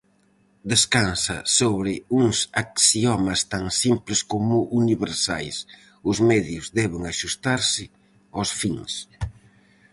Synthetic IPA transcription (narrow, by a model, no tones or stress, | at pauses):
d̪eskansɐ̰soβɾɪuŋsaksiɔmɐst̪aŋsimplɪskomʊʔuniβeɾsa̰js | ʊzmɛðjʊzðɛβeŋaʃust̪aɾsɪ | awsfiŋs